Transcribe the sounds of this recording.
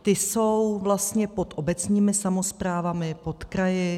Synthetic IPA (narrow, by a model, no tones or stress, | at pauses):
t̪ɪso̞wvlast̪ɲɛpo̞t̪ʔo̞bɛt͡sɲiːmɪsamo̞spɾaːvamɪpo̞t̪kɾajɪ